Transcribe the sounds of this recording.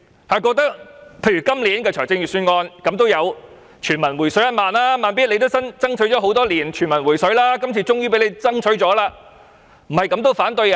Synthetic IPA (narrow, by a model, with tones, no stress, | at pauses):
hɐ˨˩kɔː˧k̚t̪ɐ˥k̚pʰe˧jɥyː˨˩kɐ˥mliː˨˥nkɛː˧t͡ʃʰœː˨˩jt͡sɪ˧ŋjyː˨˩syː˧nŋɔː˧nkɐ˨˧˥mt̪o˥wjɐ˨˧w | t͡ʃʰyː˨˩nmɐ˨˩nwuː˨˩jsɵ˨˥ɥjɐ˥t̚maː˨˧nlaː˥maː˨˩np̬iː˥t̚le˧jt̪o˥wsɐ˥nt͡sɐ˥ŋt͡ʃʰɵ˨˥jt͡ʃɔː˨˧˥ɦo˨˥wt̪ɔː˥liː˨˩nt͡ʃʰy˨˩nmɐ˨˩nwuː˨˩jsɵ˨˥ɥlaː˥kɐ˥mt͡sʰiː˨t͡sʊ˥ŋjyː˥pe˨˥le˨˧jt͡sɐ˥ŋt͡ʃʰɵ˨˥ɥt͡sɔː˨˥laː˧ | m̩˨˩hɐ˨jkɐ˨˥mt̪o˥wfaː˨˥nt̪ɵ˧j